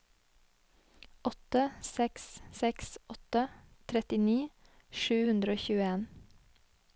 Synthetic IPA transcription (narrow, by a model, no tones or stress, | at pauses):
ʔɔt̪əsɛkssɛksʔɔt̪ət̪ʰɾɛt̪ɪniː | ʃʉːhʉnd̪ɾəoːçʉːeːn